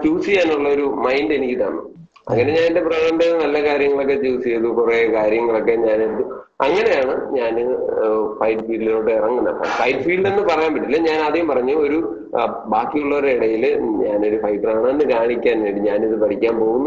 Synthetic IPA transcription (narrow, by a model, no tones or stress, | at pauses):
t͡ɕuːsiaːnuɭːɐo̞ɾumɐjnde̞nikʲːit̪aːɳːṵ | ɐ̰ŋːɐne̞ɲaːnide̞purɐɳɐnɖeɨnɐlːɐkaːɾjɐŋːɐɭo̞k̬ːe̞t͡ɕuːsijɐðupurekaːɾjɐŋːɐɭo̞kːe̞ɲaːneɽut̪ːu | ɐŋːɐne̞jaːɳɨɲaːnɨfɐjʈfiːɭnoːʈːɨirɐŋːunːɐ̰pːa̰ːmfɐjʈfiːɭɖe̞nːɨpɐrɐjaːmpɐʈːilːeɲaːnɐðijumpɐrɐɲːuoɾu | baːkːijuɭːɐoɾiɽɐjilɲaːno̞ɾufɐjʈːɐraːɳɨenːɨkaːɳikʲːaːnʋe̞ːɳɖiɲaːniðɨpɐʈikʲːaːnpo̞ːɣunː